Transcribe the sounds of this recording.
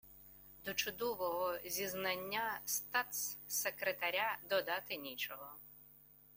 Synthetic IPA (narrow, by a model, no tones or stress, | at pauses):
d̪ɔt͡ʃʊd̪ɔʋɔɦɔzʲiznanʲːast̪at̪ssɛkɾɛt̪aɾʲad̪ɔd̪at̪ɪnʲit͡ʃɔɦɔ